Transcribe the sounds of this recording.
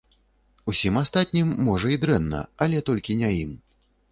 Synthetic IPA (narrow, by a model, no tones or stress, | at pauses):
usʲimast̪at̪̚ʲnʲimːɔʐɐid̪ɾɛnːɐ̰ɐlʲɛt̪ɔlʲkʲinʲajim